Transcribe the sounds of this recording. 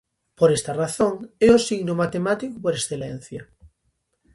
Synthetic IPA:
poɾest̪araθõŋeosiɣnomat̪emat̪ikupoɾesθelen̟θja

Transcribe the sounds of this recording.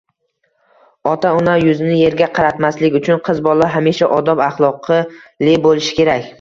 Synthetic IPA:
ɒt̪ʰaʊnajʊzɪnɪje̞ɾɡʲaqʰɑɾat̪maslɪkʲʊt͡ʃʰʊnqʰɨzbɒlˠaɦamiʃaʔɒd̪ɒbaχlˠɒqʰɨlebolɪʃɪ̥kʲe̞ɾakʲ

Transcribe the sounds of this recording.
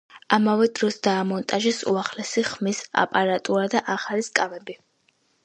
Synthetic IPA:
amavɛd̪ɾɔsd̪aːmɔnt̪ʼaʒisṵaχlɛsiχmisa̰pʼaɾat̪ʼuɾad̪aʔaχaliskʼavɛbi

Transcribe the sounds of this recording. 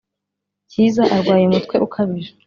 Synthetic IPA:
ciːzaʔaɾɡwaːje̞mutkwe̞ʔukʰaβiɾa

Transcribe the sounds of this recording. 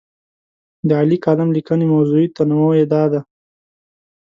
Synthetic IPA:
d̪əalikɑlɪmlikənemawzuit̪anaməwjed̪ɑd̪a

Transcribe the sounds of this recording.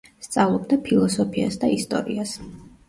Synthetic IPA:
st̪sʼavlˠɔb̚d̪apʰilˠɔsɔpʰia̰sd̪aist̪ʼɔ̰ɾias

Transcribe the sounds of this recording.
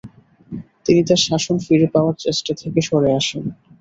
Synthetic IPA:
t̪init̪aɾʃaʃonfiɾepaoaɾt͡ɕesʈat̪ʰekeʃoɾeaʃen

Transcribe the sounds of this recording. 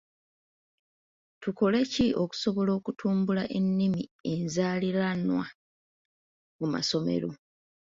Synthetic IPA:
tuko̞le̞ciʔo̞ku̥so̞βo̞lo̞ːkutʰuːmbulaʔe̞nːimie̞nzaːliɾanwa | muma̰so̞me̞̰ɾo̞

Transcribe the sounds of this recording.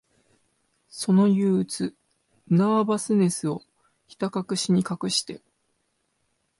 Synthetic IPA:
so̞no̞jɯːt͡sɨ | naabasɨne̞sɨo̞ | çi̥t̪akakɯ̟ɕiɲ̟ikakɯ̟ɕi̥t̪e̞̰

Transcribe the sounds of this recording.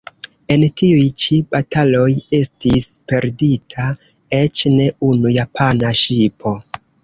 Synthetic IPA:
e̞ntiujt͡ʃibatʰalo̞je̞stispe̞ɾditʰa | e̞t͡ʃne̞unujapʰanaʃipʰo̞

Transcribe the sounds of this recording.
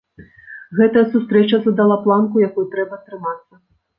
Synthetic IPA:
ɣɛt̪ɐjɐsust̪ɾɛt͡ʃɐzɐd̪alˠaplˠankujakujut̪ɾɛbɐst̪ɾɨmat̪sːɐ

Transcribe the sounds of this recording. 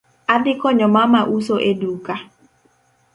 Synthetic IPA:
adɪkɔɲɔmamaʔusoʔeduka

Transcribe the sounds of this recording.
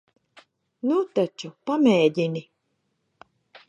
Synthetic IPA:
nut̪at͡ʃupamɛːɟ̪ʲinʲi

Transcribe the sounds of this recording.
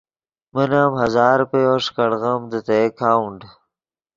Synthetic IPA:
mənaːmɦɐzaːɾpejoːʂkɐɽɣɐmd̪ət̪ejkʰaːuɳɖ

